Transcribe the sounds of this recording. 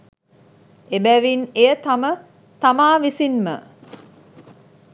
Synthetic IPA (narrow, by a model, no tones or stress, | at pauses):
ebæʋineət̪amə | t̪amaːʋisinmə̰